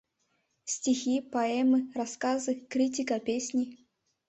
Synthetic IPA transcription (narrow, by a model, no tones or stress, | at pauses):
sʲtʲixʲipɐɛmɨraskazɨkɾʲitʲikɐpʲesʲnʲi